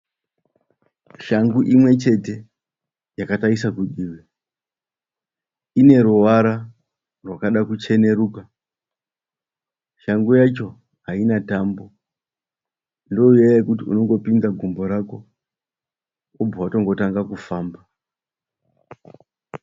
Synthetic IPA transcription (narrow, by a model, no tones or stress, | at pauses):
ʃaŋɡuʔimwe̞t͡ʃe̞te̞ | jakataisakuɗiːwe | ine̞ɾuʋaɾa | rwakaɗakut͡ʃe̞ne̞ɾuːka | ʃaŋɡujat͡ʃo̞ | ɦainatambo̞ | ndo̞ujajekutiṵno̞ŋɡo̞pind͡zaɡʱumbo̞ɾako | ob͡vawato̞ŋɡo̞taŋɡakufaːmba